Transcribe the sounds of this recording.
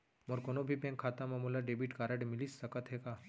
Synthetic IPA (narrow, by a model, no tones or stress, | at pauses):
mɔɾkonobʱipɛ̃ŋkʰaːt̪amamulaɖeːbiʈkaːɾəɖmɪlisːɐkət̪ɦeka